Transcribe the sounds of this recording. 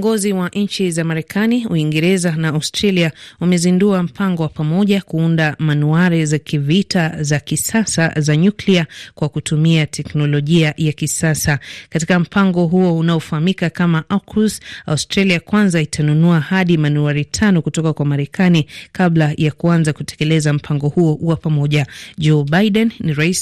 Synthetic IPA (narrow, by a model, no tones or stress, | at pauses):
ŋɡɔziwaʔɲ̩t͡ʃizamaɾɛkʰaniuiŋɡɛɾɛzanaːustɾaliaumɛzinduam̩pʰaŋɡɔwapamɔʄakuundamanuaɾizakivitazakisasa̰zaɲukliakwakutumiatʰɛknɔlɔʄiajakisasakatikam̩paŋɡɔɦuɔunaɔfahamikakamaʔakʰusaustɾaliakwanzaitʰanunuahaɗimanuaɾitʰanɔkutɔkakwamaɾɛkʰanikaɓlajakuanzakutɛ̥kɛlɛzam̩pʰaŋɡɔhuɔwapamɔʄad͡ʒɔbajɗɛnniɾais